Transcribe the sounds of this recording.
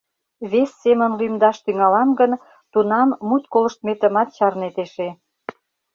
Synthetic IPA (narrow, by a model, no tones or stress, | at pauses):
βesːemə̆nlymd̪ɑʃt̪yŋɑlɑmɡən | t̪unɑmːut̪kolə̆ʃt̪met̪əmɑt̪t͡ɕɑrnet̪eʃe